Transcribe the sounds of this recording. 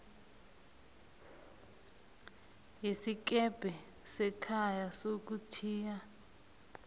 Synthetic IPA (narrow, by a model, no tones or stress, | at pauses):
jisik̬ɛb̥ʱɛ | sɛkʰajasok̬utʰiːja